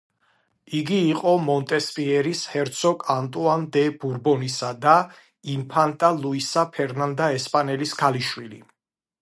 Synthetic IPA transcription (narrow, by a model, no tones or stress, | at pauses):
iɡiːqʼɔmɔnt̪ʼɛspʼiɛɾishɛɾt̪sʰɔkʼant̪ʼuand̪ɛb̥uɾbɔnisad̪a | impʰant̪ʼalˠuisapʰɛɾnand̪aɛspʼanɛlisɡ̥aliʃwili